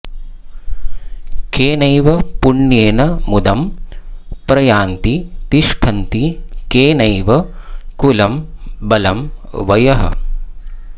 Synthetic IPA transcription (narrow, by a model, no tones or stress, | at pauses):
keːnɐjʋɐpuɳːjeːnɐmud̪ɐm | pɾɐjaːnt̪it̪iʃʈʰɐnt̪ikeːnɐjʋɐkulɐmbɐlɐmʋɐjɐɦɐ̰